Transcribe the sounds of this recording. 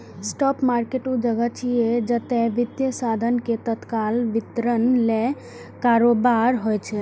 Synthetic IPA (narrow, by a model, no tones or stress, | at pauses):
sʈɔpmaɾkeʈud͡ʒəɡət͡ʃʰied͡ʒət̪eʋid̪jəsad̪ʱənket̪ət̪kalʋit̪ɾənle | kaɾobaɾɦojt͡ʃʰɛ